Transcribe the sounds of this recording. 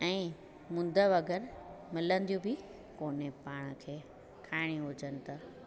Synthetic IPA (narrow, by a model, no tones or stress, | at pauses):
ɛ̃ː | mʊ̃n̆d̪ʱəʋɐɡəɾmɪlə̃nd̪ijõbɪ | koːnepaːɽ̃əkʰeː | kʰaːɪɽ̃iɦʊd͡ʑənɪ̆t̪ɐ